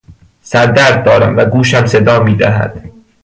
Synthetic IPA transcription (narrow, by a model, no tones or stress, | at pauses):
sæɾd̪æɾd̪̚ːɒːɾæmvæɡuːʃæmse̞d̪ɒːmiːd̪æɦæ̰d̪̥